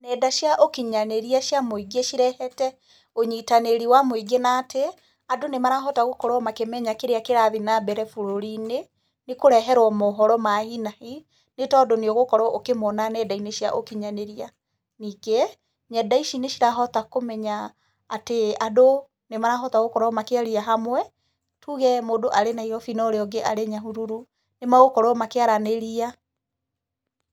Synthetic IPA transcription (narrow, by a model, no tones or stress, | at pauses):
nɛdaʃjaʔokiɲaneɾiaʃjamoiɡeʃiɾɛhɛtɛ | oɲitaneɾiwamoiɡenaːte | adonemaɾaɦɔtaɣokɔɾɔmakemɛɲakeɾeakeɾaðinabɛɾɛfoɾoɾine | nekoɾɛɦɛɾwɔmɔɦɔɾɔmahinahi | netɔdɔneoɣokɔɾɔʔokemɔnanɛːdaineʃja̰ʔokiɲaneɾia | niːkɛ | ɲɛdaiʃineʃiɾaɦɔtakomɛɲaː | teado | nemaɾaɦɔtaɣokɔɾɔmakeaɾiaɦamwɛ | tʰuɣɛmodoʔaɾenaiɾɔfinɔɾeɔɡeʔaɾeɲaɦuɾuɾu | nemaɣokɔɾɔmakeaɾaneɾia